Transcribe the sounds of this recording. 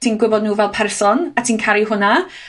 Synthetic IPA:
tʰiːnɡwɪbɔdnuːvɛlˠpʰɛrsɔnatʰiːnkʰaɾiɦʊna

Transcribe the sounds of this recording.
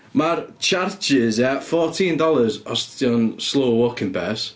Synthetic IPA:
maɾt͡ʃʰaɹt͡ʃɪzɛfɔːˑtʰĩndɔlˠəzɔsdɔnsloːwɔkʰɪ̃ŋpʰɛs

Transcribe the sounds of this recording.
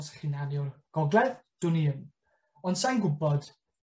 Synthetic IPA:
sχinalˠjɔrɡ̥ɔɡlˠɛðd̥ʊniən | ɔnd̥sajnɡʊbɔd̥

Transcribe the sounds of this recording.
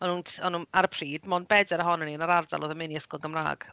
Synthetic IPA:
ɔnuːntʰɔnuːnaɾəpʰriːdmɔnbɛdɛɾəɦɔnəniənaɾarda̰loːðəmɪniəskɔlˠɡəmra̰ːɡ̥

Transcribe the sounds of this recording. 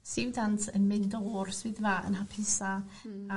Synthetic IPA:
sɪwdantʰənmɪndoːrswɪːðvaːʔə̰nɦapʰɪsa

